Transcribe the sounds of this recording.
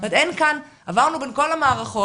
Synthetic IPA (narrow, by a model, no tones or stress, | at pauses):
at̪enkan | avaʁnubenko̞lamaːʁaχo